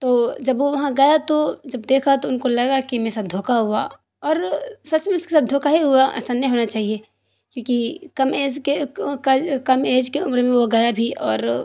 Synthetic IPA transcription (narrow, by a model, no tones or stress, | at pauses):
t̪oːd͡ʒɐbʋoʋɐɦãɡɐjat̪od͡ʒɐbd̪eːkʰat̪oʊnkolɐɡakimesad̪ʱoːkaɦʊa | ɔːɾsɐt͡ʃmẽʊske̥saːt̪̚d̪ʱoːkaɦiɦuaʔsanːĩɦoːnat͡ʃaːɦie | kjõːkikɐmeːd͡ʒkekkɐmeːd͡ʒkeʊmɾmẽʋoɡɐjabʱiɔ̰ːɾ